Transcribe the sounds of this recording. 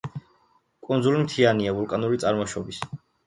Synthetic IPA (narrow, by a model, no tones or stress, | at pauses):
kʼund̪zulimt̪ʰianiavulˠkʼanuɾit̪sʼaɾmɔʃɔbis